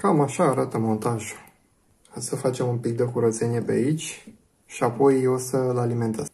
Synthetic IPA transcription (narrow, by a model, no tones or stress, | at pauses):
kamaʃaːɾat̪əmo̞nt̪aʒu | osəfat͡ʃe̞mumpik̚d̪ekuɾət̪se̞nie̞pea̰it͡ʃʲ | ʃiapo̞jo̞səlaliment̪e